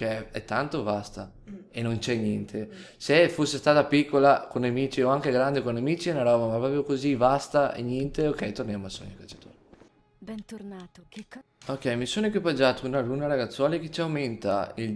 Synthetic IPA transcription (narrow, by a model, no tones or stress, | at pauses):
eɛt̪ːant̪ovast̪a | enont͡ʃɛɲjɛnt̪ʰesefosːest̪aːt̪apikːolakonːamiːt͡ʃioaŋk̟eɡɾand̪ekonːamiːt͡ʃiɛnaɾɔːvamapɾɔpɾjokozivast̪aɛ̰ɲjɛnt̪eokːɛjt̪ornjaːmoasːo̰ɲːokat͡ʃːḁt̪ṵːɾe | bɛnt̪onat̪ | okːɛjmisoːnekwipad͡ʒat̪ounalunːaɾaɡat̪sːwɔːlek̟et͡ʃiawment̪a̰il